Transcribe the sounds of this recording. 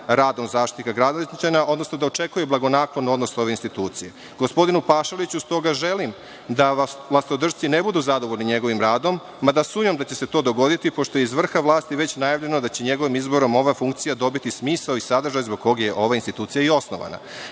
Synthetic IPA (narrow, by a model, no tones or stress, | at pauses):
ɾaːd̪o̞mzaːʃt̪it̪kaɡɾad̪olit̪nit͡ɕaɲaʔo̞d̪nosnod̪ao̞t͡ʃe̞kujeblˠaɡo̞naːklˠodnuo̞d̪noso̞ʋeinst̪it̪uːt̪sije̞ | ɡ̥o̞spo̞d̪inupaːʃalit͡ɕust̪o̞ɡaʒe̞lim | d̪alˠast̪od̪r̩ʒt̪sine̞bud̪uzad̪oʋo̞ʎʲniɲe̞ɡo̞ʋimɾaːd̪o̞mːad̪asuːmɲomd̪at͡ɕe̞se̞t̪o̞ːd̪o̞ɡo̞d̪it̪ipo̞ʃt̪ojeizʋr̩xaʋlˠaːst̪iʋe̞t͡ɕnajaʋʎe̞nod̪at͡ɕe̞ɲe̞ɡo̞ʋimizbo̞ɾo̞mo̞ʋafuŋk̚t̪sijad̪o̞bit̪ismiːsaoisad̪r̩ʒajzbo̞ɡ̚ko̞ɡjeʔo̞ʋainst̪it̪uːt̪sijaio̞snoʋa̰na̰